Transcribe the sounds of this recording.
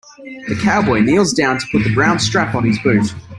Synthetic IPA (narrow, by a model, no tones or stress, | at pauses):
ðəkʰaʊbɔɪniːlˠzdãʊ̃ntʰə̥pʰʊt̪̚ðəbɹãʊ̃nd̥stɹ̥apn̩ɪzbʉˑθ